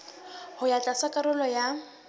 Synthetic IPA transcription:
hʊjat͡ɬʼasakʼaɾʊlɔja

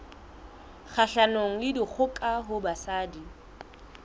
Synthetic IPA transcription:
k͡xʰaɬanoŋ̩lɪdik͡xʰʊkʼaɦʊbasaːdi

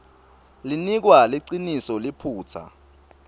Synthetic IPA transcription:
linik̬waliǀinisɔlipʰuːt͡sʰa̰

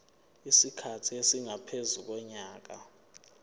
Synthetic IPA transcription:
isikʰatʰiesiŋapʰezuk̬ɔɲaːk̬a̰

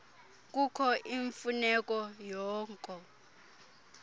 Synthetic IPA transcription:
k̬ʼukʰɔʔiɱfunɛk̬ʼɔjɔːŋkʼɔ

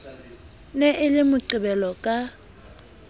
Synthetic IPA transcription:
nɛʔɪlɪmʊǀɪbɛlɔkʼa

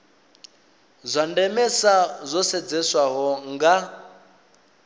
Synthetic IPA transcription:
zʷandɛmɛsazʷɔsɛd͡zɛswaɦɔŋɡa

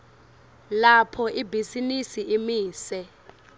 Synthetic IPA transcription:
lapʰɔʔibʱisinisiʔimiːsɛ

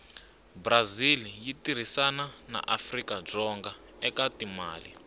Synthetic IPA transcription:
brazilijitiɾ̤isanana̰ʔafrikab͡ʐɔŋɡa | ɛkatima̰ːli

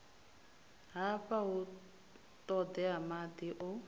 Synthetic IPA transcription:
ɦapaɦʊ | t̪ʼɔd̪ɛamad̪iʔʊ

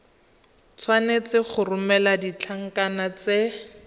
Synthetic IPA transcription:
t͡sʰwanet͡sɪχʊrʊmɛladit͡ɬʰaŋ̩kanat͡se

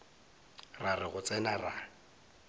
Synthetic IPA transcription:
rarɪɣʊt͡sʼɛnara

